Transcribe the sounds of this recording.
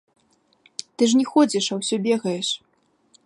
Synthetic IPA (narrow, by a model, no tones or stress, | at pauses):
t̪ɨʐnʲɛxɔd͡zʲiʂɐwsʲɔbʲɛɣɐjɛʂ